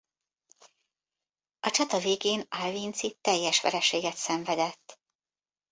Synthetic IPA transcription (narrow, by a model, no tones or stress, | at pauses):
ɒt͡ʃɒt̪ɒveːɡeːnalvint̪sit̪ɛjːɛʃʋɛ̰ɾɛʃeːɡɛt̪sɛɱvɛd̪ɛt̪ː